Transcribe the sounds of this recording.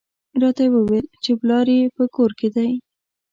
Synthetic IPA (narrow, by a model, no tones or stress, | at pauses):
ɾɑt̪awəwelt͡ʃeblɑɾepəkoɾked̪aj